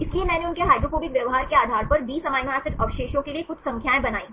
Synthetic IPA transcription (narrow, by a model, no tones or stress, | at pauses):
ɪsliemɛ̃ːneʊnkeɦaːɪd̪ɾofoːbɪkʋjɐʋɦaːɾkeaːd̪ʱaːɾpɐɾbiːsɐmãːnaːsɪʈɐʋʃeːʃõkeliekʊt͡ʃʰsɐ̃ŋkʰjaːẽbɐnaːiː